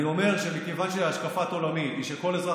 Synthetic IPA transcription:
io̞me̞ʁʃemikevanʃeaʃkafat̪o̞lamit̪iʃeko̞lezʁa

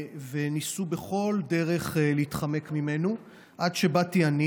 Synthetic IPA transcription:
venisube̞χo̞lde̞ʁe̞χleitχame̞kmime̞nu | ʔadʃe̞batiani

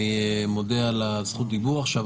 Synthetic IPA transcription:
imo̞dealasχut̪̚d̪ibuʁaχʃav

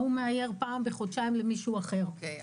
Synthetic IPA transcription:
humeʕaje̞ʁpaːmbeχod̪ʃaimlemiʃuaχe̞ʁ

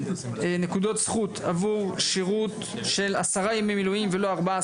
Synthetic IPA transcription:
nekud̪o̞t̪sχut̪ʰavuʁʃiʁut̪ | ʃe̞lasaʁajamimːiluimvelo̞aʁba

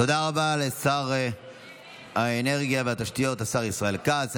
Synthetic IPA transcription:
t̪o̞d̪aʁabalesaʁ | aene̞ʁɡijaveat̪aʃtijo̞t̪asaʁisʁae̞lkaːz

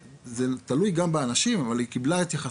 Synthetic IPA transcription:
zet̪alujɡambeanaʃimavalikiblaet̪jaχa

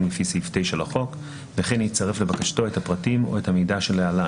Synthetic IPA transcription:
mlefisiftejʃelaχo̞k | veχenit͡saʁe̞fle̞bakaʃto̞ethapʁatimo̞̰ethamejdaʃeleala

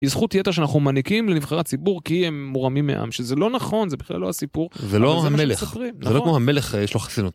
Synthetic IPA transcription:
izχutjeteʃeanaχnumanikimlenivχaʁatt͡sibuʁkiemːuʁamimːḛʔa̰mʃezelo̞naχo̞nzebiχla̰lːohasipuʁzelohameleχspʁimnzelokmohameleχjeʃloχḁsinut

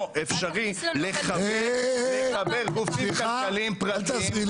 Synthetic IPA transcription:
efʃaʁileχableabeʁɡufimakalimpʁat̪azi

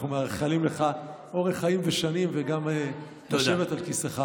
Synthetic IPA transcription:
numeaʁχalimle̞χa | o̞ʁeχaimveʃanimveɡame | t̪aʃevetalkiseχa

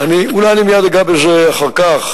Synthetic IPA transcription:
aniulajanimijad̪aɡabelzeaχaʁkaχ

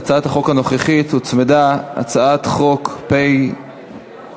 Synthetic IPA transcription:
t͡saat̪haχo̞khano̞χeχit̪hut͡smed̪aa̰t͡saat̪χo̞kpej

